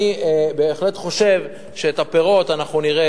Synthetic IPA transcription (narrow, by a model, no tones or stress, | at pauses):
ibeːχle̞t̪χo̞ʃe̞v | ʃeet̪apeʁo̞t̪anaχnuniʁe